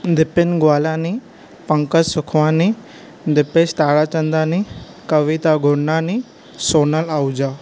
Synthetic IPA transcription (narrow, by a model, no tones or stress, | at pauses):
d̪ɪpɪnɡʋaːlãni | pə̃ŋkəsʊkʰʋãni | d̪ɪpest̪aːɽat͡ʃənd̪ani | kəʋit̪aɡʱoɽnani | sonalawd͡ʒa